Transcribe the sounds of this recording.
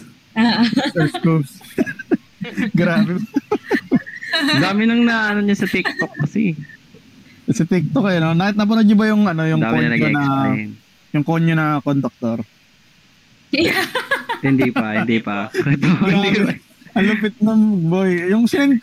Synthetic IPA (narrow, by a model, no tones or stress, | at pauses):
sɛskubs | ɡɾaːbɛ | d̪aːmɪnɐŋnɐanoɲɐsɐt̪ɪk̚t̪okːɐsḭ | sɐt̪ɪk̚t̪ok̚ːɐjɐnonaːkɪt̪̚nɐp̬ɐnod̪̚ɲʊbɐjʊŋɐnojʊŋd̪amoɲnɐonɐn | jʊŋkoɲonɐkond̪ʊk̚t̪oɾ | hɪnd̪pɐhɪd̪ipɐ̰ɛt̪od̪i | ɐlʊpɪt̪̚nɐmbojjʊŋsɪnɛn